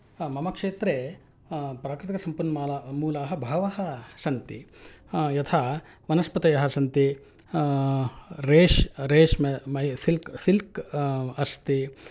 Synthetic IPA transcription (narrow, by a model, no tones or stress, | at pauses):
mɐmɐkʂeːt̪ɾeː | pɾaːkɾɪt̪ikɐsɐmpunalamuːlaːɦɐbʱɐʋɐɦɐsɐnt̪i | jɐt̪ʰa | ʋɐnɐspɐt̪ɐjɐɦɐsɐnt̪i | ɾeːʃɾeːʂmɐmɐjsilksilkɐst̪i